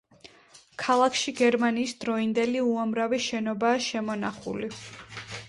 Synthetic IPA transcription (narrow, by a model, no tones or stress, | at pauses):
kʰalˠakʰʃiɡɛɾmaniːsd̪ɾɔind̪ɛliuamɾaviʃɛnɔbaːʃɛmɔnaχṵli